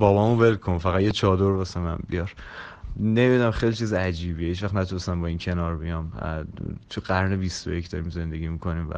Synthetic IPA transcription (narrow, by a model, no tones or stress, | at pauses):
bɒːbɒːmubelkʰonfæɣæt̪jet͡ʃʰɒːd̪oɾbɒsemæ̰nbḭjɒɾ | nemid̪dnæmχejlit͡ʃʰiːziæd͡ʒiːbiːehiːt͡ʃvæχt̪næt̪ʰunest̪æmbɒːiːncʰe̞nɒːɾbijɒm | t̪ʰuɡæɾnebist̪o̰jecʰd̪ɒ̰ːɾimze̞nd̪e̞ɡiːmikʰo̞niːmvæ̰